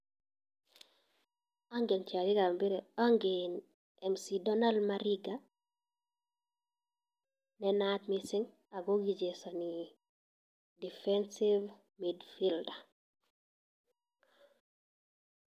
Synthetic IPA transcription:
aŋɡint͡ʃaɾiɡambiɾeaŋɡin | ɛmsidɔnalmaɾiɡa | nɛnatmisiŋ | aɡoɡid͡ʒesani | difɛnsiv | midfilda

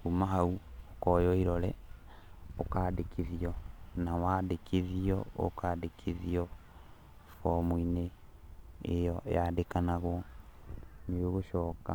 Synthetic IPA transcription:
kumaɦauokɔjɔiɾɔlɛ | okadekʰeðiɔnawaːdekʰeðiɔo̰kadekʰeðiɔ | fɔmwineː | jɔjadekanaɣwɔ | nioɣoʃɔːka̰

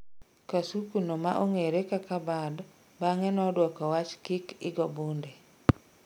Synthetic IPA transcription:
kasukunomaʔoŋeɾekakabad | baŋɛnɔdwɔkɔwat͡ʃkɪkɪɡɔbunde

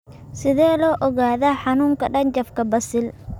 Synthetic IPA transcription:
sɪðɛːlɔːʔɔɣaːðaːħɑnuːŋkʰɐɖɐnt͡ʃɐfkʰɐbɐsɪl

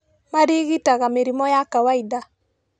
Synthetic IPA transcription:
maɾiɣitaɣameɾimɔjakawaida

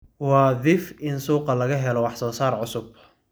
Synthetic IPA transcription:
wɑːðɪfʔɪnsuːqɑlɐɣɐɦɛlɔwɑħsɔːsaːrʕʊsʊb

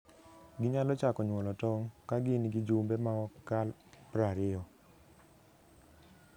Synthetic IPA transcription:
ɡɪɲalɔt͡ʃakɔɲwɔlɔtɔŋkaɡɪnɡɪd͡ʒumbɛmaɔkal | pɾaɾɪɔ

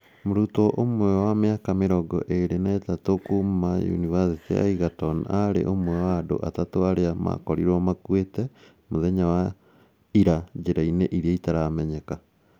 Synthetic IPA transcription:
moɾutɔʔomwɛwameakameɾɔɡɔ̰ʔeɾenaetatokummajṵnivasitḛa̰iɣatɔnaɾḛʔomwɛwaːdo̰ʔa̰tatoaɾeama̰kɔɾiɾɔmakwetɛ | moðɛɲawa | iɾad͡ʒeɾaineʔiɾiaitaɾamɛɲɛka

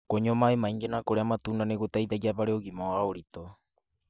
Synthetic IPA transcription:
koɲomaemaiŋɡenakoɾeamat̪unanekot̪ait̪ad͡ʒapaɾeoɡimoaoɾit̪o

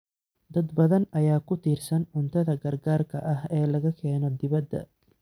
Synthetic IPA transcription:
d̪ɐd̪bɐðɐnʔɐjaːkʰʊt̪ʰiːrsɐnʊnt̪ʰɐðɐɡɐrɡaːrkʰɐʔɐɦɛːlɐɣɐkʰɛːnɔd̪ɪβɐd̪ːɐ̰

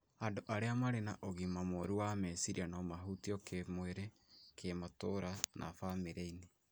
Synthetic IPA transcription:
andoʔaɾeamaɾena̰ʔoɣimamoɾuwamesiɾḭanɔmaɦutiɔkʰemweɾe | kʰematoɾanʔa̰fameɾeine

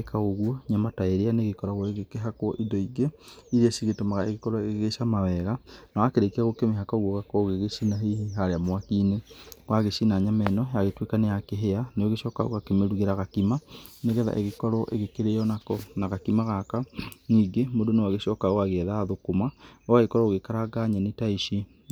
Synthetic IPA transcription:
ekaɣoɣwɔɲamataeɾeaneɣekɔɾaɣɔeɣekeɦakwɔʔindɔiɡeiɾiasiɣetomaɣaeɣekɔɾɔeɣeɣeʃamawɛɣanawakeɾekeaɣokemeɦakaɣwɔɣakɔɣeɣesinaɦehiɦaɾeamwakinewaɣeʃinaɲamɛnɔjaɣetwekanejakeɦeaneoɣeʃɔka̰o̰ɣakemeɾuɣeɾaɣakimaneɣɛða̰ʔeɣekɔɾɔʔeɣekeɾejɔnakɔnaɣakimaɣakaniːɡemodonewaɣeʃɔːkaoaɣɛðaðokomaowaɣekɔɾɔoɣekaɾaɡaɲɛnetaiʃi

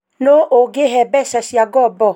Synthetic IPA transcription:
noʔoɡeɦɛbɛsasiaɡɔbɔ

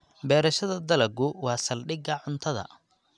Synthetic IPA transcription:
bɛːɾɐʃɐðɐd̪ɐlɐɡʊwɑːsɐlɖɪɡɐʕʊnt̪ʰɐðɐ̰

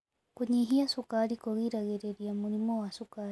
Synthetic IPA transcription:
kuɲiɦiasukaɾikɔɣiɾaɣɛɾeɾiamuɾimɔwasukaɾ

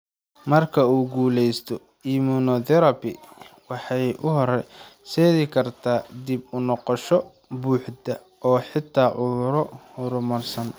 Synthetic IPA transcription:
mɐrkʰɐuːɡuːlɛjst̪ʰɔ | imunɔðɛɾɐbɪwɑħɑjʔʊɦɔɾɛsɛːðɪkʰɐrt̪ʰaːd̪ibʊnɔqɔʃɔ | buːħd̪ɐ | ʔɔːħɪt̪ʰːaːʕʊðʊɾɔhʊɾʊmɐrsɐn

